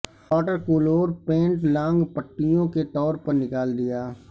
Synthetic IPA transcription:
ɔːʈəɾkoːloːɾpẽːɳʈlãːŋɡpəʈːijõket̪ɔːɾpɐɾnɪkaːld̪ɪjaː

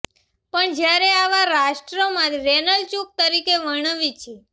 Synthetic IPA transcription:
pəɳd͡ʒjaɾeaʋaɾaʃʈɾomãt̪ɾɛnəlt͡ʃuk̚t̪əɾikeʋəɳəʋit͡ʃʰe

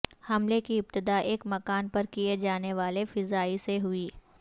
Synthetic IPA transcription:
hɐmlekiɪb̚t̪ɪd̪aːʔeːkmɐkaːnpɐɾkied͡ʒaːneʋaːlefɪzaːiseɦʊiː

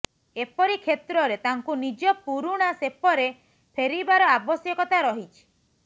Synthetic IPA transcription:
epɔɾikʰet̪ɾɔɾet̪aŋkunid͡ʒɔpuɾuɽ̃asepɔɾe | pʰeɾibaɾɔabɔsjɔkɔt̪aɾɔɦit͡ʃʰi̥

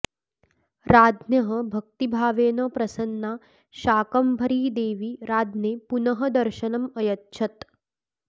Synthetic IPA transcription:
ɾaːd̪ʱnjɐɦɐbʱɐk̚t̪ibʱaːʋeːnɐpɾɐsɐnːaː | ʃaːkɐmbʱɐɾiːd̪eːʋiɾaːd̪neːpunɐɦɐd̪ɐɾʃɐnɐmɐjɐt̪ʃʰɐt̪

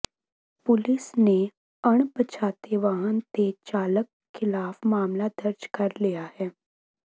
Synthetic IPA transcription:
pʊlɪsne | ɐɽ̃pət͡ʃʰaːt̪eʋaɦənt̪et͡ʃaːlək | xɪlaːfmaːmlad̪ɐɾd͡ʒkɐɾlijahɛː

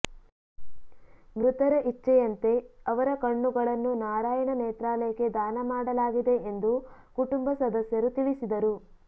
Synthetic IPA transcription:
mɾut̪ɐɾɐʔit͡ʃːɛjɐnt̪e̞ɐʋɐɾɐkɐɳːuɡɐɭɐnːunaːɾaːjɐɳɐnɛːt̪ɾaːlɐjɐke̞d̪aːnɐmaːɽɐlaːɡid̪e̞ʔend̪ukuʈumbɐsɐd̪ɐsjɐɾut̪iɭisid̪ɐɾu

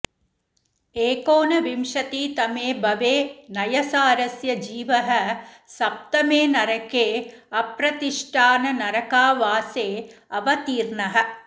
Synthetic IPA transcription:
eːkoːnɐʋimʂɐt̪iːt̪ɐmeːbɐʋeːnɐjɐsaːɾɐsjɐd͡ʒiːʋɐɦɐ | sɐp̚t̪ɐmeːnɐɾɐkeːɐpɾɐt̪iʂʈʰaːnɐnɐɾɐkaːʋaːseːɐʋɐt̪iːɾɳɐɦɐ̆

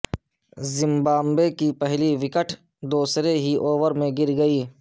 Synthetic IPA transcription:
zɪ̃mbaːmbeːkipɛɦliʋɪkəʈʰ | d̪oːsɾeɦiʔoːʋəɾmẽɡɪɾɡɐiː

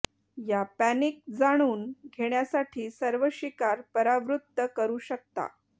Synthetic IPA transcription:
japænik̚d͡zaɽ̃uːnɡʱeɳjasaʈʰiːsəɾʋəɕikaɾpəɾaʋɾut̪ːəkəɾuːɕək̚t̪a̰

